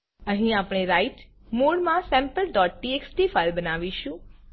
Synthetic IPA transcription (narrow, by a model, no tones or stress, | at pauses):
əɦĩapɽ̃eɾaiʈ | muɽmãsɛ̃mpəlɖɔʈ̚ːieksʈifalbənaʋiʃũ